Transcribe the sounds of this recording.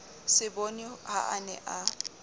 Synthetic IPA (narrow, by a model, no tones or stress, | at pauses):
sɪbonɪha̰anɛ̰ʔa